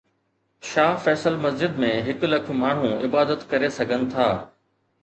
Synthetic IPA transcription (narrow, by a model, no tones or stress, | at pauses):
ʃaːfɛːsəlmɐzd͡ʑɪd̪mẽɦɪklɐk̆ʰmaːɳ̤ũɪbaːd̪ət̪kɐɾesɐɡʱənɪ̆t̪ʰaː